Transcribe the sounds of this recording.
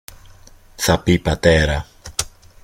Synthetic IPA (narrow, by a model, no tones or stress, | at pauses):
θapipat̪ɛɾa